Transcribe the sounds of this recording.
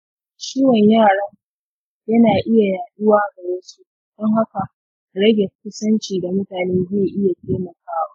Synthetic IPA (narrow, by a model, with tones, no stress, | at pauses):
ʃiː˦wɔ˨ɲjaː˦˨ɽɐ˦ŋ | jɐ˦naː˨ʔɪ˦ja˨jaː˨ɗʊ˦waː˦˨ɡɐ˨ɽeː˦nsu˦ʔ | d̥ɔ˦ŋɦa˦ka˨ʔ | ɽɐ˦ɡʲe˨kʷʊ˦sɐ˦nt͡ʃiː˨da˨mʊ˦taː˨neː˦zeː˦˨ʔɪ˦ja˨teː˦mɐ˨kaː˦waː˦